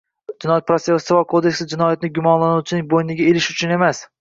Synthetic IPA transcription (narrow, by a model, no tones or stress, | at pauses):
d͡ʒɪnɒjat̪̚pʰɾot̪seasɪvakʰod̪e̞kʲsɪd͡ʒɪnɒjat̪ɪnɪɡʲʊmɒnlanuwt͡ʃʰɪnɪŋbojnɪɡʲaelɪʃʊt͡ʃʰʊne̞mas